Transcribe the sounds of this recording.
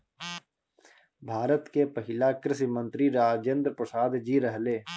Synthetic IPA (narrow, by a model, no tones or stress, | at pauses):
bʱaːɾət̪kepəɦɪlakɾɪsimə̃nt̪ɾiɾaːd͡ʒẽnd̪ɾpɾəsaːd̪d͡ʒiɾəɦleː